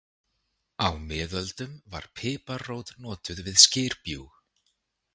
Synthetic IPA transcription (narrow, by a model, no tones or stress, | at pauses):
awmɪːðœlt̪ʏmva̰ɾ̥pʰɪːparoːwt̪nɔːt̪ʏðvɪðscɪːɾ̥pjuːx